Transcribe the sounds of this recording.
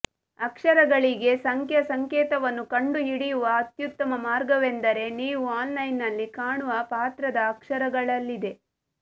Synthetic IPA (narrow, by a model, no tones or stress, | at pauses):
ɐkʂɐɾɐɡɐɭiɡe̞sɐŋkʰjɐsɐŋkeːt̪ɐʋɐnːukɐɳɖuiɽijuʋɐːt̪jut̪ːɐmɐmaːɾɡɐʋend̪ɐɾe̞niːʋuaːlnɐjnːɐlːikaːɳuʋɐpaːt̪ɾɐd̪ɐːkʂɐɾɐɡɐɭɐlːid̪e̞